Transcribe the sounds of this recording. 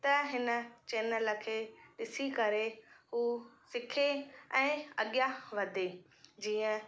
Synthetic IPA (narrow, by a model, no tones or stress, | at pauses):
t̪ɐɦɪnə̆t͡ɕeːnələ̆kʰeːɗɪsikɐɾeɦuːsɪkʰeɛ̃ːɐ̰ɠjaʋɐd̪ʱe | d͡ʑiːə̃